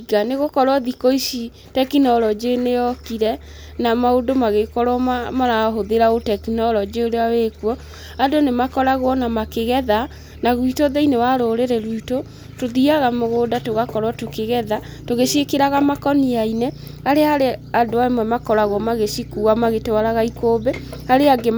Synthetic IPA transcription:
ɣaneɣokɔɾwaðikoisi | tɛkinɔlɔd͡ʒenejɔkiɾɛ | namaodomaɣekɔɾwɔmamaɾaɦoðeɾaotɛkinɔlɔd͡ʒeoɾeawekwɔ | adonemakɔɾaɣwɔnamakeɣɛða | naɣwitoðeinewaɾoːɾeɾɛɾwito | toðiaɣamoɣoːdatoɣakɔɾwatokeɣɛða | toɣeʃiekeɾaɣamakɔniaine | aɾeaɾeadoaemwɛmakɔɾaɣwɔmaɣeʃikuamaɣetowaɾaɣaikoːbeaɾeaɡe

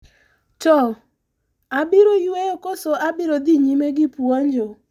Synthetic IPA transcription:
t͡ʃɔ | abɪɾojwejokosoʔabɪɾod̪iɲimeɡɪpuaɲd͡ʒo

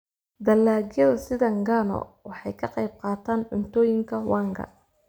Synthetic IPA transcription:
d̪ɐlːaːɣjɐðɐsɪðɐŋɡanɔ̰wɑħɑjkʰɐqɑjb̚qɑːt̪ʰaːnʕʊnt̪ʰɔːjɪŋkʰɐwɑːŋɡʰɐ̰

